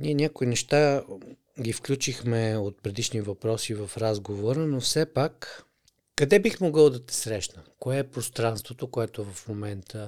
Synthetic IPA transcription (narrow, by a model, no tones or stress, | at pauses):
nʲiɛnʲakʊinɛʃt̪a | ɡʲifklʲut͡ʃixmɛot̪̚pɾɛd̪iʃnivɐpɾɔsivɐfɾazɡovoɾənofsɛpakː | ɐd̪ɛbixmoɡɤlˠd̪ɐt̪ɛ̥sɾɛʃnəkoɛːpɾost̪ɾanst̪vot̪okoɛt̪ovɐfmomɛnt̪ʰə